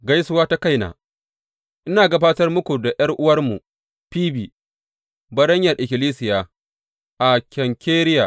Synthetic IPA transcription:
ɡa˦jsʊ˦waː˦ta˦ka˦jna̰ː˨ | ʔɪ˦naː˨ɡɐ˦baː˦tɐ˦rmʊ˦kʷu˨da˨jɐ˦rʔʊ˦wɐ˦rmu˨ | piː˦biː˨ | bɐ˦ɾɐ˦ɲjɐ˨rʔɪ˨kʲɪ˨liː˦sɪ˨jaː˨ | ʔa˨kʲɐ˨ŋkʲeː˦ɾɪ˦jaː˨

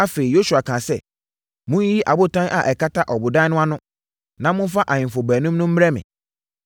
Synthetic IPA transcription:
a˦fe˨i˨jo˦su˨a˨kʰã˨sɛ˦ | mʊ̃˦ji˦ʔa˨bʊ˦tʰã˦nʔa˨ʔɛ˨ka˦tʰa˦ʔɔ˨bʊ˨dã˦nʊ̃˦a˦nʊ̃˦ | nã˦mʊ̃˦fa˦ʔa˨ɲɪ̃˨mfɔ˨bæː˨nũ˦mnʊ̃˦m̩˦m˦ɾɛ˦mɪ̰̃˨

